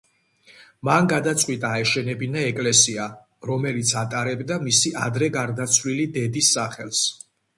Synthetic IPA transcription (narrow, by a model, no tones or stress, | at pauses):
manɡad̪at̪sʼqʼwit̪ʼaːɛʃɛnɛbinaɛkʼlɛsia | ɾɔmɛlit̪sʰat̪ʼaɾɛbd̪amisiʔa̰d̪ɾɛɡaɾd̪at̪sʰwlilid̪ɛd̪isːaχɛls